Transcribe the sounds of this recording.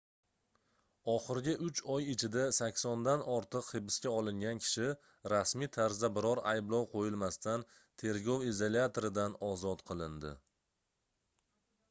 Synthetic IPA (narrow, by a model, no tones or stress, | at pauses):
ɒχɨɾɡʲɪʔʊt͡ʃʰɒjɪt͡ʃʰɪd̪asakʲsɒnd̪anɒɾt̪ʰɨqhɪbɪskʲaɒlˠɪŋɡʲankʲʰɪ̥ʃɪ | ɾasmit̪ʰaɾzd̪abɪɾɒɾajblˠɒwqʰojɪlˠmast̪an | t̪ʰe̞ɾɡʲɒwizolʲat̪ʰoɾɪd̪anɒzɒt̪qʰɨlˠɪnd̪ɪ̰